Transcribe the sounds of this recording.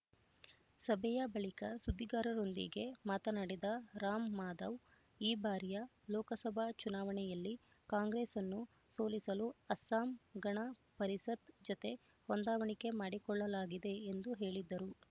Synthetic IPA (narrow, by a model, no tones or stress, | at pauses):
sɐbʱɛjɐbɐɭikɐsud̪ʱːiɡaːɾɐɾond̪ḭɡe̞maːt̪ɐnaɽɛd̪ɐɾaːmːaːd̪ɐʋ | iːbaːɾijɐ | lɔːkɐsɐbʱɐt͡ʃunaːʋɐɳɛjɐlːi | kaːŋɡɾeːsɐnːu | soːlisɐluɐsaːmɡɐɳɐpɐɾisɐt̪d͡ʒɔt̪e̞ | hɔnd̪aːʋɐɳike̞maːɽikɔɭːɐlaːɡid̪e̞ːnd̪uɦe̞ːɭid̪ːɐɾu